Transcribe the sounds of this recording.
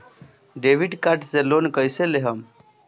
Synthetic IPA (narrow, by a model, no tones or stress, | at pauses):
ɖeʋiɖkaʈseloːnkəjseleɦəm